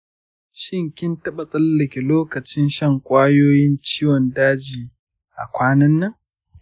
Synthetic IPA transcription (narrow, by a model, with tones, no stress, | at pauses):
ʃɪ˦˨ŋkʲɪ˦ntɐ˦ɓɐ˨sʼɐ˦lːɐ˨kʲi˨loː˦kɐ˨t͡ʃɪ˦nʃɐ˦˨ŋkʷʼaː˦joː˦jɪ˦nt͡ʃiː˦wɔ˨ndaː˦d͡ʒiː˨ | ʔa˨kʷaː˦nɐ˦nːɐ˦ŋ